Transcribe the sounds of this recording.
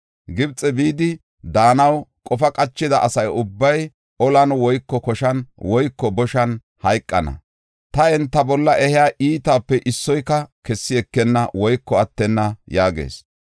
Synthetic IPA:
ɡɪbt͡sʼːɛbiːd̪ɪ | d̪aːnɐwkʼɔfɐkʼɐt͡ʃːɪd̪ɐʔɐsɐjʊbːɐj | ɔlɐnwɔjkːɔkɔʃɐnwɔjkːɔbɔʃɐn | hɐjkʼːɐnɐ̰ | t̪ɐɛnt̪ːɐbɔlːɐʔɛhɪjaːʔiːt̪aːpːɛʔɪsːɔjkːɐkɛsːɪɛkːɛnːɐwɔjkːɔɐt̪ːɛnːɐjaːɡḛːs

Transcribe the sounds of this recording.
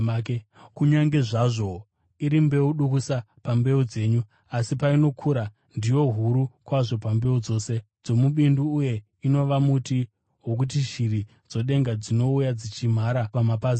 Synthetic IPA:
kuɲaŋɡe̞ʐaʐo̞ | iɾimbe̞uɗukusa | pambe̞ud͡ze̞ːɲu | asipaino̞kʰuɾa | ndijo̞ɦuɾukwaʐo̞pambe̞ud͡zo̞ːse̞ | d͡zo̞muɓinduːje̞ | ino̞ʋamuti | ɦok̬ut̬iʒiɾi | d͡zo̞ɗe̞ŋɡad͡zino̞ujad͡zit͡ʃim̤aɾapamapazi

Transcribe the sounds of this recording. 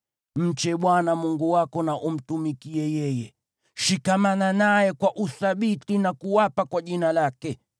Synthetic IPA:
m̩t͡ʃɛɓwanamuŋɡuwakɔnaʔum̩tumikiɛjɛjɛ | ʃikamananajɛkwaʔuθaɓitinakuwapakwaʄinalakɛ

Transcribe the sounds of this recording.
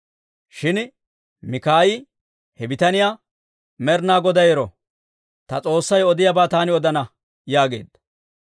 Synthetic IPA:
ʃɪn | mɪkaːjɪ | hɛbɪt̪ɐnɪjaː | mɛɾnaːɡɔd̪ɐjɛɾɔ | t̪ɐt͡sʼo̞ːsːɐjɔd̪ɪjabaːt̪aːnɪɔd̪ɐnɐ | jaːɡe̞̰ːd̪̥

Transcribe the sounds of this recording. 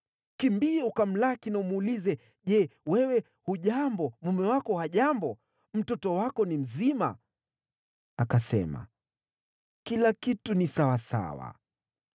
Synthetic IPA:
kimbiɛukam̩lakinaumuːlizɛ | ʄɛwɛwɛ | huʄambɔmumɛwakɔhaʄambɔ | m̩tɔtɔwakɔnim̩zima̰ | akasɛ̰ma̰ | kilakitunisawasa̰wa̰

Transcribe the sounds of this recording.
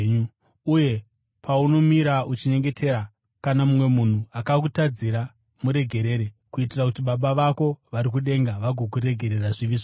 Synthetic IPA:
ɲu | uje̞ | pʰauno̞miɾaut͡ʃiɲe̞ŋɡe̞tʰe̞ɾa | kanamumwe̞mun̤uakakutad͡ziɾa | muɾe̞ɡʱe̞ɾe̞ːɾekuitirakutiɓaɓaʋako̞ʋaɾikuɗe̞ŋɡaʋaɡʱokuɾe̞ɡʱe̞ɾe̞raʐiʋiʐo

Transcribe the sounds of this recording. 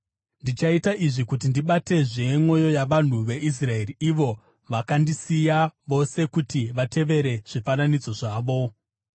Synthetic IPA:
ndit͡ʃaitaʔiʐikut̬indiɓate̞ʐe̞mwo̞jo̞jaʋan̤uʋe̞ʔis̬rae̞riiʋo̞ | ʋakandisijaʋo̞se̞kutiʋate̞ʋe̞ɾe̞ʐ̥ifananid͡zo̞ʐaːʋo̞

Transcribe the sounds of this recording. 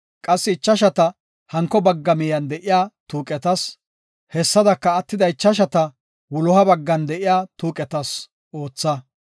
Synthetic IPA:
kʼɐsːɪɪt͡ʃːɐʃɐt̪ɐ | hɐŋkːɔbɐɡːɐmɛjɐnd̪ɛʔɪjaːt̪uːkʼɛt̪ɐs | hɛsːɐd̪ɐkːɐːt̪ːɪd̪ɐɪt͡ʃːɐʃ̬ɐt̪ɐ | wʊlɔhɐbɐɡːɐnd̪ɛʔɪjaːt̪uːkʼɛt̪ɐs | ʔo̞ːt͡sːɐ

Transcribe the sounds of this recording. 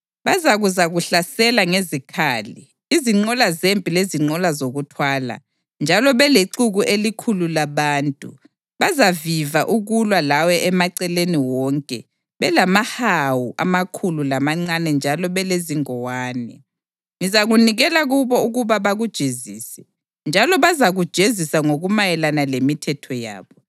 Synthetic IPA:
βazaɣuzaɣuɬasɛlaŋezikʰaːli | iziŋ͡ǃɔlazempʼileziŋ͡ǀɔlazoɣutʰwaːla̰ | nd͡ʒʱalɔβɛleǃuɣuʔelikʰululaβaːntʼṵ | βazavivaʔuɣulwalawɛʔɛmaǀɛleniwɔŋkʼɛ | βɛlamahawuʔa̰makʰululamaŋ͡ǀanɛnd͡ʒʱalɔβɛleziŋɔwaːnɛ | ŋizaɣuniɣɛlaɣuβɔuɣuβaβaɣud̥ʒ̥ʱeziːsɛ̥ | nd͡ʒʱalɔβazaɣud̥ʒ̥ʱezisaŋoɣumajɛlanalemitʰɛtʰɔja̰ːβɔ

